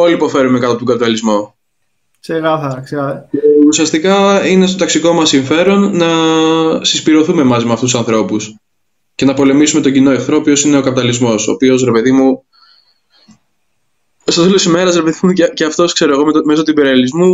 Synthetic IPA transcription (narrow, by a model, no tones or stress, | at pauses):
o̞liːpo̞fe̞ɾume̞kɐt̪ɐp̚t̪oŋɡɐpit̪ɐlizmo | seɣɐθɐɾɐksɐceusiɐst̪ikɐine̞st̪o̞t̪ɐksiko̞mɐsːiɱfe̞ɾo̞nːɐ | sispiɾo̞θume̞mɐzimɐft̪usɐnθɾo̞pus | ce̞nɐpo̞le̞misume̞t̪oɟino̞exθɾo̞pio̞sine̞o̞kɐpit̪ɐlizmo̞so̞̰pio̞sɾe̞pe̞ðimu | st̪oθelot̪isime̞ɾɐsɾe̞pe̞ðimuceceɐft̪o̞skse̞ɾoeɣo̞mt̪me̞sot̪ibeɾiɐlizmu